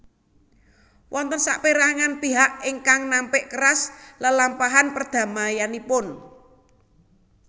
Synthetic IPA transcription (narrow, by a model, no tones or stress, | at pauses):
wʔɔnt̪ənsa̰ʔpeɾaŋanpiɦaʔɪŋkaŋnampɪʔkərasləlampaɦanpərd̪̥ä̤majanipʊn